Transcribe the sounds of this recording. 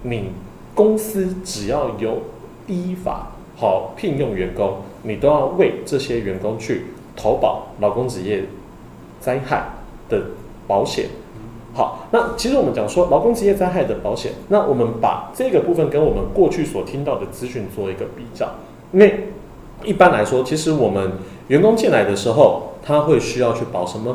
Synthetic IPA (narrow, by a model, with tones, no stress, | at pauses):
ni˨˩ | kʊ˥ŋsɹ̩˥ʈ͡ʂɻ̩˨˩jɑ˥˩ʊjo˨˩ʊ | i˥fa̰˨˩˦ | xɑ˨˩ʊpʰi˥˧ŋjo˥˩ŋɥɛ˧˥nkʊ˥ŋ | ni˨˩t̪o˥ʊjɑ˥˧ʊwe˥˧ɪʈ͡ʂɤ˥˨ɕjɛ˥ɥɛ˧˥nkʊ˥ŋt͡ɕʰy˥˩ | t̪ʰo˧˥ʊpɑ̰˨˩˦ʊlɑ˨ʊkʊ˥ŋʈ͡ʂɻ̩˨˧jɛ˥˩ | t͡sa˥ɪxa˥˩ɪ | d̪̥ə˨˩ | pɑ˧˥ʊɕjɛ̰˨˦n | xɑ̰˨˦ʊna˥˩t͡ɕʰi˧˥ʂɻ̩˧˥wɔ˨˩mə˦nt͡ɕjɑ˨˩ŋʂwɔ˥lɑ˧˥ʊkʊ˥ŋt͡sɻ̩˧jɛ˥˨t͡sa˥ɪxa˥˩ɪd̪ə˩pɑ˧˥ʊɕjɛ̰˨˩˦nna˥˨wʔɔ˨˩mə˦npa̰˨˩ʈ͡ʂɤ˥˩i˧˥ɡə˨pu˥˧fə˥˨nkə˦nwɔ˨˩mə˨˦nkwɔ˥˧t͡ɕʰy˥˩swɔ˨˩t̪ʰi˥ŋt̪ɑ˥˩ʊd̪ə˩t͡sɹ̩˥ɕy˧˥nt͡swɔ˥˩i˧˥ɡə˧pi˨˩t͡ɕjɑ̰˥˩ʊ | i˥nwe˥˩ɪ | i˥˩pa˥nla˧˥ɪʂwɔ˥t͡ɕʰi˧˥ʂɻ̩˧˦wɔ˨˩mə˦n | ɥɛ˧˥nkʊ˥ŋt͡ɕi˥˩nla˧˥ɪd̪ə˧ʂɻ̩˧˥xo˥˧ʊt̪ʰa˦xwe˥˧ɪɕy˥jɑ˥˧ʊt͡ɕʰy˥˩pɑ˨˩ʊʂə˧˦mə˨